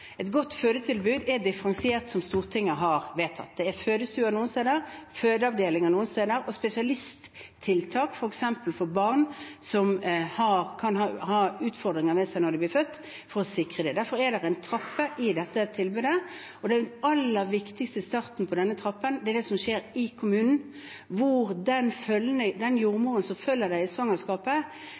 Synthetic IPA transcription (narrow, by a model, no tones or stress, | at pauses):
ɛt̪ɡɔt̪ːføːd̪ət̪ʰɪlbʉːd̪ɛɾd̪ɪfəɾɑnsɪeːʁt̪sɔmst̪uːʁt̪ʰɪŋːəɦɑɾʋeːt̪ʰɑ̰t̪̚d̪ɛɛɾføːd̪əst̪ʉːənuːənst̪eːd̪əɾføːd̪əɑʋd̪eːlɪŋənuːənst̪eːd̪əɾɔspɛsɪɑlɪst̪ʰː | ɪlt̪ʰɑːkfɔɾɛksɛmpəlfɔɾbɑʁnsɔmhɑɾkʰɑnhɑːhɑːʉːt̪fɔɾd̪ɾɪŋəɾmɛsæɪnɔɾd̪ɛblɪːɾfœt̪ː | fɔɾɔsɪkɾəd̪ɛd̪æɾfɔɾɛd̪ɛɾɛɪnt̪ʰɾɑpːəʔɪd̪ɛt̪ːət̪ʰɪlbʉːd̪ə | ɔd̪ɛæɑlːəɾʋɪkt̪ɪkst̪əst̪ɑʁt̪n̩pʰɔd̪ɛnːət̪ʰɾɑpːənd̪ɛɛɾd̪ɛsɔmʃeːɾɪkʰʊmʉːnn̩ | ʋʊɾd̪ɛnfœlənəd̪ɛnjuːʁmuːɾənsɔmfœlːəd̪æɪɪsʋɑŋɑskɑːpə